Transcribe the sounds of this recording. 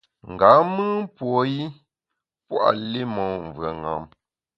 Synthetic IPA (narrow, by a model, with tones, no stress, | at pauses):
ŋ̩˨ɡa˨˦mɨ˦pwɔ˨ji˦ | pwa̰˨le˦mɔ˨ɱ˨vɰə˨ŋa̰˨˦m